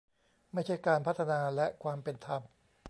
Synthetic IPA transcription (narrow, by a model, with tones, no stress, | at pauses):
ma˥˩jt͡ɕʰa˥˩jkaː˧npʰa˦˥t̪ʰːa˧naː˧lɛ˦˥ʔkʰwaː˧mpe˧nt̪ʰa˧m